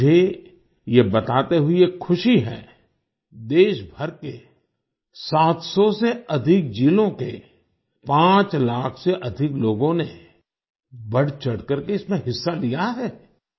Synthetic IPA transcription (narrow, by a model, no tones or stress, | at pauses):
e | jebɐt̪aːt̪eɦʊiekkʰʊʃiɦɛ̰ː | d̪eːʃbʱɐɾke | saːt̪sɔseɐd̪ʱɪk̚d͡ʒiːlõke | pãːt͡ʃlaːkʰseʔɐd̪ʱɪkloːɡõne | bɐɽt͡ʃɐɽkəɾkeɪsmẽɦɪsːalijaɦɛː